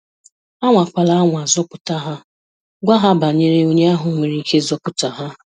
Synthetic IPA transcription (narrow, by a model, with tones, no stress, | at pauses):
a˦ŋʷa˨kʷa˨la˦a˦ŋʷa˨zɔ˦pʊ˨ta˦ɦa˦ | ɡʷa˦ɦa˦ba˨ɲe˦ɾe˦o˦ɲe˦a˦ɦʊ˨ŋʷe˨ɾi˦ke˦zɔ˦pʊ˨ta˨ɦa˦